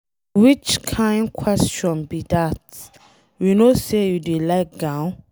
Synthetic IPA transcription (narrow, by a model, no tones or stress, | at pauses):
wit͡ʃkʰãjnkʰwɛst͡ʃɔ̃nbidat | winosejudelaɪk̚ɡãʊ̃n